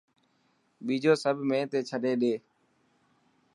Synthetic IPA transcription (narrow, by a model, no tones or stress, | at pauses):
ɓiːd͡ʒoːsəbʱmẽːt̪eːt͡ʃʰəɗeːɗeː